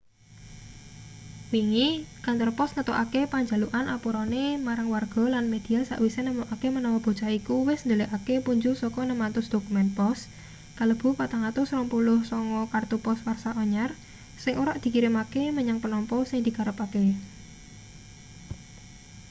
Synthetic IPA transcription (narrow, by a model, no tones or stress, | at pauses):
wiŋikant̪ɔrpɔsŋət̪oʔakepaɲd͡ʒa̤luʔanʔapuɾɔnemaɾaŋwarɡ̥ɔ̤lanmed̪̥i̤asa̰ʔwisenəmuʔakemənɔwɔb̥o̤̥t͡ʃaikuwɪsnd̪oleʔakepuɲd͡ʒʊsɔkɔnəmant̪ʊsd̪̥okumɛnpɔs | kaləb̥ṳpat̪aŋat̪ʊsɾɔmpulʊhsɔŋɔkart̪upɔswarsaʔɔɲar | sɪŋoɾaʔd̪̥i̤kiɾɪmakeməɲaŋpənɔmpɔsɪŋd̪̥i̤kaɾəpake